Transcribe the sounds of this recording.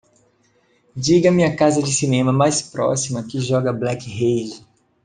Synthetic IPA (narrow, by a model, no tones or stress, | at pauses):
d͡ʒiɡɐmĩɐkazɐd͡ʒɪsinẽmɐmajspɾɔ̰simɐkɪʒɔɡɐblɛkhejd͡ʒ